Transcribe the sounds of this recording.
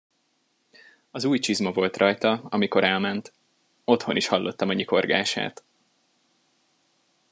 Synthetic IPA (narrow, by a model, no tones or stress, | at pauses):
ɒzuːjt͡ʃizmɒvo̞lt̪rʔɒjt̪ɒɒmiko̞ɾɛlmɛnt̪ | o̞t̪ho̞niʃhɒlːo̞t̪ːɒmɒɲiko̞rɡa̰ːʃa̰ːt̪